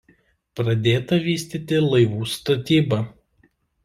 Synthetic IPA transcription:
pɾɐd̪ʲeːt̪ɐʋʲiːsʲt̪ʲiːt̪ʲɪlˠɐɪʋuːst̪ɐt̪ʲiːbɐ

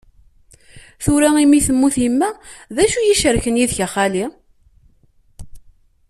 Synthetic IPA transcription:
θuɾæimiθəmːuθimːæðæʃujiʃəɾçənjiðçaχali

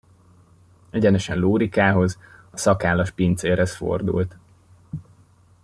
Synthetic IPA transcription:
ɛɟɛnɛʃɛnluːɾikaːɦo̞zɒsɒkaːlɒʃpint̪seːrhɛsfo̰rd̪ṵlt̪

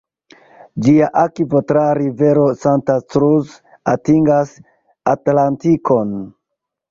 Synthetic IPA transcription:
d͡ʒiaʔakivotɾaɾive̞ɾo̞santat͡sɾuz | atiŋɡas | atlantikʰo̞n

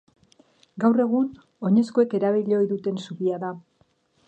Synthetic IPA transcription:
ɡawre̞ɣ̞un | o̞ɲe̞skoe̞ke̞ɾaβiʎeo̞jðut̪e̞nsuβiaða

